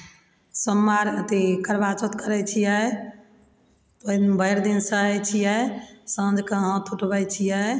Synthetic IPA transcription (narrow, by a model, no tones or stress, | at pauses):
səmːaɾət̪ikəɾbat͡ʃət̪kəɾɛt͡ʃʰijɛ | t̪obəɦɾd̪insəɦɛt͡ʃʰijɛsə̃d͡ʒʱkəɦə̃t̪ʰuʈbəjt͡ʃʰijɛ